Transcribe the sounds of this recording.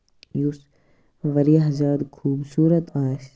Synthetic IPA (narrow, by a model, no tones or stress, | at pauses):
jus | ʋɐɾiɦɐzaːd̪kʰuːbsuːɾət̪aːs